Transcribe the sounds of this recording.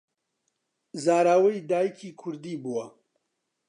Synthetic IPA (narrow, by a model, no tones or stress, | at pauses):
zaːɾaːwɐjd̪aːjikʰiːkʰʊɾd̪iːbuwɐ